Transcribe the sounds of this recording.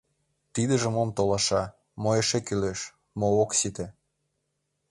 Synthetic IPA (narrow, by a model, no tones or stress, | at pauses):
t̪id̪ə̆ʒə̆momt̪olɑʃɑ | moeʃekyleʃ | mooksit̪e